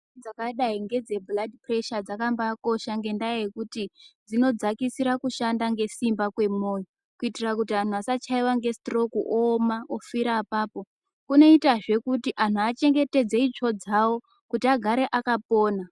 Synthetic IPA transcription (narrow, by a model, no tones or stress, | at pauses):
d͡zakaɗaiŋɡe̞d͡ze̞bladipre̞ʃad͡zakambako̞ʃaŋɡe̞ndajajekutid͡zino̞d͡zakisiɾakuʃandaŋɡe̞simbakwe̞mo̞ːjo | kuitirakutian̤uasat͡ʃaiwaŋɡe̞stro̞kuʔomaʔofiɾaːpaːpo̞ | kune̞itaʐe̞kutiʔan̤uat͡ʃe̞ŋɡe̞te̞d͡zeit͡ʃo̞d͡zawo̞ | kutiaɡʱaɾe̞ʔakapo̞ːna